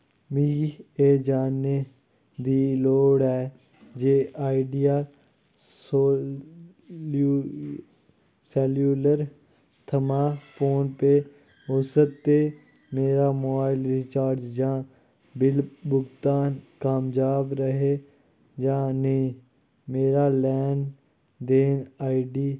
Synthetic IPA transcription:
mĩːeːd͡ʒaːnːe | d̪iːloːɽɛː | d͡ʒeːaːɪɖijaː | sɛːljuːləɾ | t̪ʰɐmãːpʰoːnpe | ɦoːsək̚t̪e | meːɾamoaːɪlɾɪt͡ʃaːɾd͡ʒd͡ʒãː | bɪlbʊɡt̪aːnkaːmd͡ʒaːbɾəɦe | jãːnĩ | meːɾalɛːɳ | d̪eːnaːɪɖiː

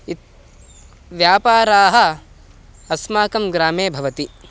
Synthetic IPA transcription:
i | ʋjaːpaːɾaːɦɐ | ɐsmaːkɐmɡɾaːmeːbʱɐʋɐt̪i

